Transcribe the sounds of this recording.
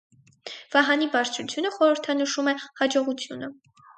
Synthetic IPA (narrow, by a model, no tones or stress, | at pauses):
v̥ɑɦɑnibɑɾt͡sʰɾut͡sʰjunəχɔɾəɾt̪ʰɑnəʃumɛhɑd͡ʒɔʁut͡sʰjunə